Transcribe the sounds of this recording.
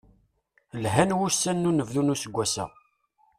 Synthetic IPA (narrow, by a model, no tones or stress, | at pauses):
lɦænwusːænːunəvðunusəɡʷːæsæ̰